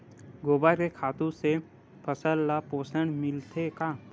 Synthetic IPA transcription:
ɡoːbakekʰaːt̪ũse | pʰəsəlːapoːsəɳmɪlt̪ekaː

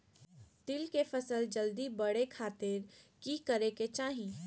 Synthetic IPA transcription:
t̪ɪlkefɐsəld͡ʒəld̪ibɐɽekʰaːt̪ɪɾkikəɾeket͡ʃaːɦĩ

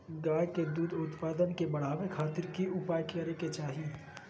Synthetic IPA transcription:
ɡaːjked̪uːd̪ʊt̪paːd̪ənkebɐɽ̤aːʋekʰaːt̪ɪɾkiʊpaːjkəɾeket͡ʃaːɦi

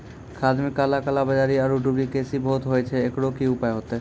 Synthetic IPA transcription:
kʰad̪mikːalakalabad͡ʑaɾiaɾuɖublikesibʱot̪ɦojet͡ɕʰeekɽokiupaeɦot̪e

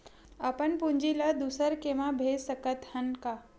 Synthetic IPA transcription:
əpənpuɲd͡ʑilad̪usəɾkeʋabʱesəkət̪hənka

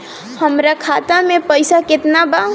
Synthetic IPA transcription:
həmɾakʰat̪amepəjsaket̪naba

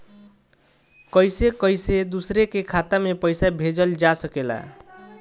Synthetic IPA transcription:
kʌjsekəjsed̪usɾekekʰat̪amepəjsabʱed͡ʒəld͡ʒasəkela̰

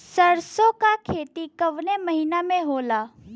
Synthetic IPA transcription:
səɾsokakʰeːt̪ikɐʋnemɐɦiːnamẽɦoːlaː

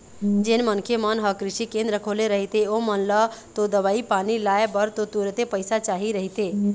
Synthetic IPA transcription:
d͡ʒɪnmənkʰemənɦəkɾɪʃikẽnd̪ɾəkʰoːleɾəɦit̪eomənlət̪od̪əʋaːipaːnilaːebəɾt̪ot̪uɾt̪epəɪsat͡ʃaːɦiɾəɦit̪e

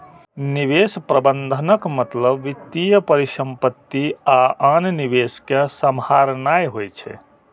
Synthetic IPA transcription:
niβespɾəbənd̪ʱənəkmət̪ləbːit̪ːijəpəɾisə̃mpət̪ːiaʔanniʋeskesəmhaɾnajɦojt͡ʃʰɛ̰

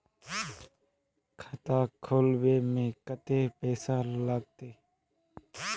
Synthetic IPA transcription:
kʰət̪aːkʰoːlʋeːmẽːkət̪eːpɛːsãːlaːɡ̚t̪eː

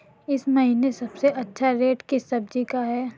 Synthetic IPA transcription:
ɪsmɐɦiːnesɐbseʔɐtːʃʰaɾeːʈkisɐb̚d͡ʒikaɦɛː

